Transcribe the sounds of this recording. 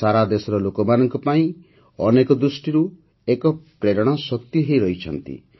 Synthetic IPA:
saɾad̪esɔɾɔlokɔmanɔŋkɔpaĩ | ɔnekɔd̪ɾusʈiɾu | ekɔpɾeɽɔɽ̃ɔsɔkt̪jiɦejɾɔɦit͡ʃʰɔnt̪ḭ

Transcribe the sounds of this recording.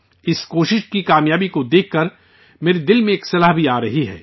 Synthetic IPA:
ɪskoːʃɪʃkikaːmjaːbikod̪eːkʰːɐɾ | meːɾed̪ɪlmẽeːksɐlaːɦbʱiaːɾɐɦiɦɛ̰ː

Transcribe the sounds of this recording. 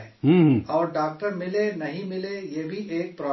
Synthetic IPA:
ɛːɦũːɦɔːɾɖaːk̚ʈəɾmɪlenɐɦĩmɪlejebʱiʔeːk̚pɾɔː

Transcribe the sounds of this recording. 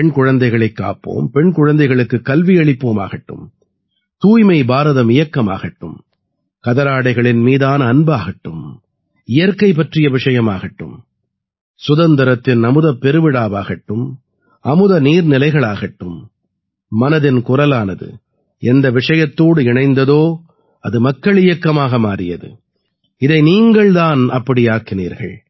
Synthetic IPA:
pɳkʊɻɐnd̪ɐɪɣɐɭɐɪkːa̰ːpːo̰ːmpɛɳkʊɻɐnd̪ɐɪɣɐɭɯkːɯkːɐlʋiɛɭɪpːoːma̰ːɣɐʈːɯ̰m | t̪uːjmɐɪbaːɾɐðɐmɪjɐkːɐma̰ːɣɐʈːɯm | kɐðɐɾaːɽɐɪɣɐɭɪnmiːðaːnɐːnbaːɣɐʈːɯm | ɪjɐɾkɐɪp̬ːɐʈrɪjɐʋɪʂɐjɐmaːɣɐʈːɯ̰m | sʊðɐnd̪ɐɾɐt̪ːɪnɐmɯðɐpːɛɾɯʋɪɽaːbaːɣɐʈːɯm | ʔɐmɯðɐniːɾnɪlɐɪɣɐɭaːɣɐʈːɯmː | ɐnɐðɪnkʊrɐlaːnɐðɯ̰ | ʔɛnd̪ɐʋɪʂɐjɐt̪ːoːɽɯɪɳɐɪnd̪ɐðoː | ɐðɯmɐkːɐɭɪjɐkːɐmaːɣɐmaːɾɪjɐðɯ̰ | ɪðɐɪniːŋɡɐɭt̪aːnɐpːɐɽɪjaːkɪniːɾɣɐ̰ɭ

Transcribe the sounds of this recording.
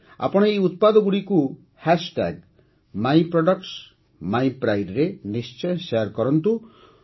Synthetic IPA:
a̰pɔɽ̃ɔejut̪̚pad̪ɔɡuɽiku | hɛʃʈɛ̰ɡ | majpɾɔɖɔkʈs | majpɾajɖɾenist͡ʃɔjʃejɔɾkɔɾɔnt̪u

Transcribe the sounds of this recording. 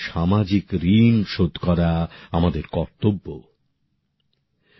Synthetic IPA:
ʃamad͡ʑikɾinʃod̪ʱkɔɾaamad̪eɾkɔɾt̪obːo

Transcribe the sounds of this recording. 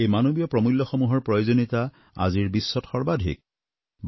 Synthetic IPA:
ejmanobijɔpɹɔmulːɔxɔmuɦɔɹpɹɔjozonita | a̰ziɹbisːɔtxɔɹbadʱḭk̚ | b

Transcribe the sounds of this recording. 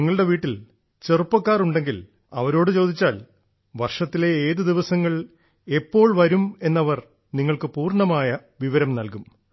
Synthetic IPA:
iŋːɐɭɨɽe̞ʋiːʈːil | t͡ɕerupːɐkːaːruɳɖe̞ŋɡil | ɐ̰ʋɐɾo̞ːɽɨt͡ɕo̞ːd̪ʱit͡ɕːaːl | ʋɐrʂɐt̪ːile̞eːðɨd̪iʋɐsɐŋːɐɭ | e̞pːo̞ːɭʋɐɾume̞nːɐʋɐr | niŋːɐɭkɨpuːrɳɐmaːjɐ | ʋiʋɐɾɐmnɐlkum

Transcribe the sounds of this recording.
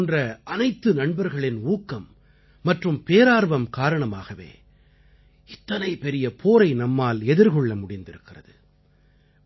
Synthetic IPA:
ndrɐʔɐnɐɪt̪ːɯnɐɳbɐɾɣɐɭɪnuːkːɐmː | ɐʈrɯmpeːɾaːɾʋɐmkaːɾɐɳɐma̰ːɣɐʋḛː | ɪt̪ːɐnɐɪpɛɾɪjɐpʰoːɾɐɪnɐmːaːlɛðɪɾɣɔɭːɐmʊɽɪnd̪ɪɾɯkːɪrɐ̰ðɯ

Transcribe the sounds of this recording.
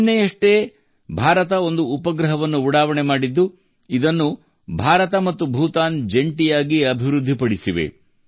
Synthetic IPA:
nːejɐʂʈe | bʱaːɾɐt̪ɐo̞nd̪uːpɐɡɾɐɦɐʋɐnːuːɽaːʋɐɳemaːɽid̪ːu | id̪ɐnːu | bʱaːɾɐt̪ɐmɐt̪ːubʱuːt̪aːnd͡ʒe̞ɳʈijaːɡiɐbʱiʋɾud̪ʱːipɐɽisiʋḛ

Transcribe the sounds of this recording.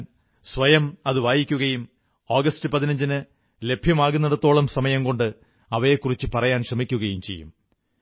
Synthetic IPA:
sʋɐjɐmɐðɨʋaːjikʲːuɣɐjum | oːɡɐstɨpɐðinɐɲd͡ʑinɨ | le̞bʱjɐmaːɣunːɐɽɐt̪ːo̞ːɭɐmsɐmɐjɐmko̞ɳɖɨ | ɐʋɐjekːurit͡ɕːɨpɐrɐjaːnkʂrɐmikʲːuɣɐjumt͡ɕe̞jːṵm

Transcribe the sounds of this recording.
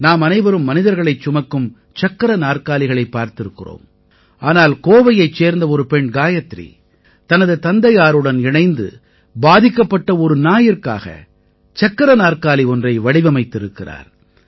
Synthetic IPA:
naːmɐnɐɪʋɐɾɯmːɐnɪðɐɾɣɐɭɐɪt͡ʃːʊmɐkːɯm | t͡ʃɐkːɐɾɐnaːrkaːlɪɣɐɭɐɪpːaːɾt̪ɪɾɯkːɪro̰ːm | ʔaːnaːlkoːʋɐjɐɪt͡ʃːeːɾnd̪ɐɔɾɯpɛɳɡaːjɐt̪ːrḭ | t̪ɐnɐðɯt̪ɐnd̪ɐjaːɾɯɽɐnɪɳɐɪnd̪ɯ̰ | baːðɪkːɐpːɐʈːɐɔɾɯnaːjɪrka̰ːɣɐ̰ | t͡ʃɐkːɐɾɐnaːrkaːliɔndrɐɪʋɐɽɪʋɐmɐɪt̪ːɪɾɯkːɪra̰ːɾ

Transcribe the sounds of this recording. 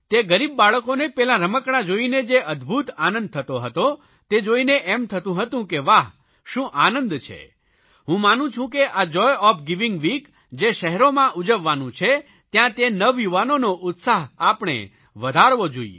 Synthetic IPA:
t̪eɡəɾibːaɭəkonepɛlãɾəməkɽãd͡ʒoined͡ʒeʔəd̪bʱut̪anə̃nd̪̚t̪ʰət̪oɦət̪o | t̪ed͡ʒoineʔɛmt̪ʰət̪ũɦət̪ũkeʋaɦ | ʃũʔanənd̪t͡ʃʰḛ | ɦũmanũt͡ʃʰũkeʔəd͡ʒɔjɔpʰɡiʋɪŋɡʋik | d͡ʒeʃəɦɛɾomãʔud͡ʒəʋːanũt͡ʃʰe | t̪jãt̪enəʋjuʋanonoʔʊt̪saɦapɳ̃ḛ | ʋəd̪ʱaɾʋod͡ʒo̰ḭḛ

